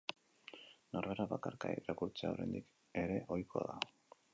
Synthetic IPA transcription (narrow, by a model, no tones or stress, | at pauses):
noɾβeɾaβakaɾkaeɾakuɾt͡seaoɾe̞̰nd̪ik | e̞ɾe̞ʔo̞jkʰo̞ða̰